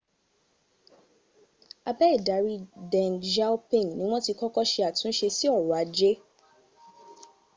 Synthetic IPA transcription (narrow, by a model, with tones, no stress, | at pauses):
a˧bɛ˦i˦˨da˨˦ɾi˦dɛ̃˨ŋd͡ʒa˦u˦pĩ˦˨ŋ˨nĩ˨˦w̃ɔ̃˦ti˧kɔ˦kɔ˦ʃe˧a˨tũ˨˦ʃe˧si˦ɔ˦˨ɾɔ˨a˨˦d͡ʒe˦